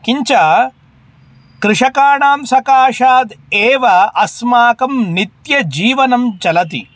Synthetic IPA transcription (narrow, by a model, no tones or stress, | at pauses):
kiɲt͡ʃɐ | kɾɪʂɐkaːɳaːmsɐkaːʂaːd̪eːʋɐʔɐsmaːkɐmnit̪jɐd͡ʒiːʋɐnɐmt͡ʃɐlɐt̪ḭ